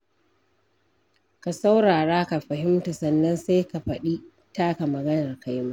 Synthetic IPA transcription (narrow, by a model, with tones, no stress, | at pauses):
ka˨sa˦wɽaː˨ɽaː˦ka˨ɸɐ˨ɦɪ˦mta˨sɐ˦nːɐ˦nsa˦jka˨ɸɐ˨ɗiː˦ | taː˦ka˨mɐ˨ɡɐ˦nɐ˨rka˦jma˦